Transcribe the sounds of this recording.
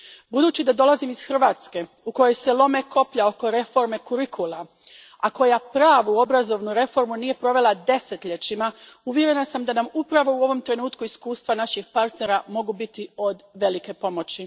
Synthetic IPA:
bud̪uːt͡ɕid̪ad̪o̞lˠazimiz̥xr̩ʋaːt̪ske̞ | uko̞jo̞jse̞lˠo̞me̞ko̞pʎao̞ko̞ɾe̞fo̞ɾme̞kuɾikʰulˠa | ako̞japɾaːʋuo̞bɾazo̞ʋnuɾe̞fo̞ɾmunije̞pɾo̞ʋe̞lˠad̪e̞se̞t̪ʎe̞t͡ɕimauʋje̞ɾe̞nasamd̪anamupɾaʋo̞uo̞ʋo̞mt̪ɾe̞nuːt̪kuiskuːst̪ʋanaʃixpaɾt̪ne̞ɾamo̞ɡubit̪io̞d̪ʋe̞like̞po̞mo̞t͡ɕi

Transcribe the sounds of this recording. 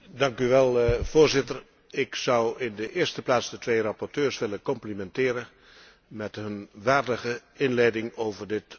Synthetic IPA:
dɑŋkyʋɛlˠv̥oːɹzɪtər | ɪksʌwɪndəʔɪːstəplaːtsdətʋejrɑpɔɹtøːɹsʋɪlənkɔmplimɛntɪːɾə | mɛtɦɵnʋaːrdəɣəɪnlɛjdɪŋowvərdɪt

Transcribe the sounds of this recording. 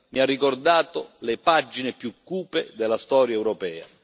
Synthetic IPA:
miarːikord̪aːt̪olepad͡ʒːinepjukːuːped̪ɛlːast̪ɔːɾjaɛwɾɔpɛːa̰

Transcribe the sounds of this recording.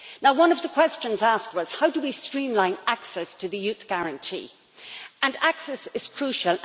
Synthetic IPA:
naʊwʌ̃nʌvðəkʰw̥ɛst͡ʃə̃nzask̚t̚wʌz̥haʊdəwistɹ̥ĩmlãɪ̃naksɛstʰəðɨjʉθɡ̥aɹə̃ntʰḭː | ə̃naksɛsɪz̥kʰɹ̥ʉˑʃəlˠ

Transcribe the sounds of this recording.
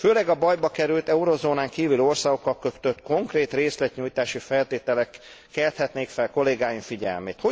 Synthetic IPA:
føːlɛɡɒbɒjbɒkɛɾylt̪ɛuɾo̞zoːnaːŋkiːvylo̞rsaːɡo̞kːɒlkø̞t̪øt̪ko̞ŋkreːt̪reːslɛt̪ɲuːjt̪aːʃifɛlt̪eːt̪ɛlɛkː | ɛlt̪hɛt̪neːkfɛlko̞leːɡaːjiɱfiɟɛ̰lmḛːt̪ho̞

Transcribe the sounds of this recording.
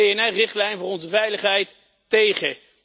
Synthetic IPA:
ejɛnɛrɪχtlɛjnvʊːrɔnzəvɛjləχɦɛjtː | ejχə

